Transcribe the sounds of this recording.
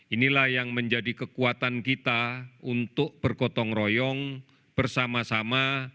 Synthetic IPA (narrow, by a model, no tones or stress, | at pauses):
ʔinilahjaŋməɲd͡ʒadikəkuat̪ankit̪aunt̪ʊk̚b̥ərkɔt̪ɔŋrɔjɔŋ | b̥ərsamasama